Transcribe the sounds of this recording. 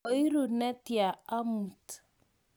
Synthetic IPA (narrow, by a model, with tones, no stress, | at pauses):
ɔ˨i˦ɾu˨nɛ˦tja˨a˦mu˨t